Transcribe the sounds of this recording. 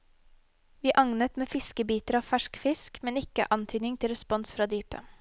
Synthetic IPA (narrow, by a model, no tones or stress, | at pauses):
ʋiːʔɑŋnət̪meːfɪskəbiːt̪əɾɑːʋfæʃkfɪskmɛnɪkə̰ʔɑnt̪ʰyːd̪nɪŋt̪ʰɪlɾəspɔnsfɾɑːd̪yːpə̰